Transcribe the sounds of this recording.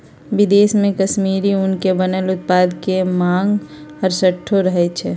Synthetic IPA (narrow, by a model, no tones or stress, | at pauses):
ʋɪd̪eːsmẽkəʃmiːɾiʊnkebənəlʊt̪̚paːd̪kemãːŋɡəɾsəʈʰːoɾəɦɛt͡ʃʰɛ